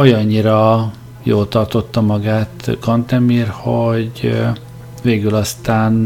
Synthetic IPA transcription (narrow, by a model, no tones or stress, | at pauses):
ojɒɲːiɾɒ | joːlt̪ɒrt̪o̞t̪ːɒmɒɡaːt̪kɒnt̪ɛmiːrhoɟ | veːɡylɒst̪aːn